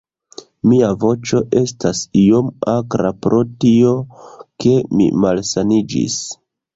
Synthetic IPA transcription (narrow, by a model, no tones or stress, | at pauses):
miavo̞t͡ʃo̞ʔe̞stasijomakɾapɾʔo̞tio̞ke̞mḭmalsanid͡ʒḭs